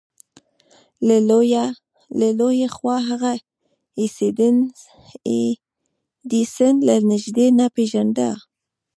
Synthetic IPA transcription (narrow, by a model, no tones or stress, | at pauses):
ləlojexwɑɦaɣa | ised̪ | d̪isənlanɪʒd̪enapeʒand̪a̰